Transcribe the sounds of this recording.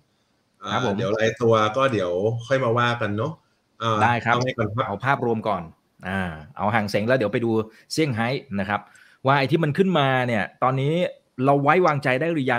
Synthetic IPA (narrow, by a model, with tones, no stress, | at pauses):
ʔaː˨ɾpʰːo˩˦di˩˦wla˧jt̪u˧ɐkɔː˥˩di˩˦əwkʰɔ˥˩jmaː˧waː˥˩ka˧nːɔ˦˥ | ʔaː˧˩daː˥˩jkʰɾa˦˥˩ma˥˩kɔ˧na˦˥ʔa˧wpʰaː˥˩p̚ɾu˧əmkɔː˨˩n | ʔaː˧˩ʔa̰˨˩˦wɦaː˩˦ŋse˩˦ŋlɛː˦˥wdi˩˦wpa˧jduː˧ | si˥˩əŋɦa˦˥jna˦˥˩kʰɾa˦˥p̚ | waː˥˩ʔa˧jt̪ʰiː˥˩ma˧nkʰɯ˥˩nmaː˧ni˥˩ɐt̪ɔː˧nːiː˦˥ | ɾa˧wːa˦˥jwaː˧ŋt͡ɕa˧jdaː˥˩jɾu˧˩ja˧